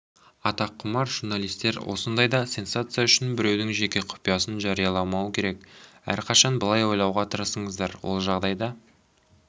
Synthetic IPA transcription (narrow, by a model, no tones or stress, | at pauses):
ɑt̪ɑqʰːʊmɑɾʒuɾnalˠijst̪e̞ɾwo̞̰sənd̪ɑjd̪ɑse̞nsat̪sɨjaʏʃɪnbɪɾe̞wd̪ɪŋʒe̞kʲe̞qʰʊ̥pijɑsənʒɑɾijɑlˠɑmɑwəkʲʰe̞ɾe̞kæ̰ɾqʰɑʃɑnbəlˠɑjwo̞jlˠɑwʁɑt̪ʰəɾəsəɴəzd̪ɑɾwo̞̰lˠʒɑʁd̪ɑjd̪ɑ